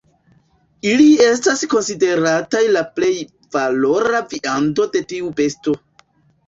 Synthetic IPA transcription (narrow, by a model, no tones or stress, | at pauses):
ilie̞s̬tasko̞nside̞ɾatajlaple̞j | valo̞ɾaviʔando̞de̞tiube̞sto̞